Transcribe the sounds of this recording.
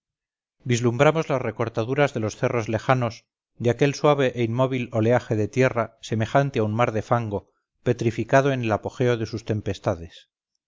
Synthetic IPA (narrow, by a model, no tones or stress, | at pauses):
d̪izlumbɾamo̞zlasre̞ko̞ɾt̪aðuɾazðe̞lo̞sθe̞ro̞zle̞xano̞s | d̪eake̞lswaβ̞e̞ʔeinmo̞β̞ilo̞leaxe̞ðe̞t̪je̞rase̞me̞xant̪eaunmaɾðe̞faŋɡo̞ | pe̞t̪ɾifikað̞o̞ene̞lapo̞xe̞o̞ðe̞sust̪empe̞st̪aðe̞s